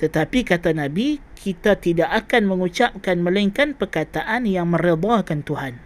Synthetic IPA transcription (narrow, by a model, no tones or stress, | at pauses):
t̪ət̪apikat̪anabikʰit̪at̪idaʔakanmə̃ŋut͡ʃap̚kanməlaiŋkanpərkat̪aʔanjaŋmə̃ɾid̪akant̪uhan